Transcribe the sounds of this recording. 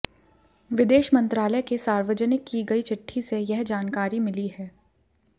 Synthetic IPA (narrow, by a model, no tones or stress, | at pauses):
ʋɪd̪eːʃmɐ̃nt̪ɾaːləjkesaːɾʋəd͡ʒənɪkːiɡɐit͡ʃɪʈʰːisejɛɦd͡ʒaːnkaːɾimɪliɦɛː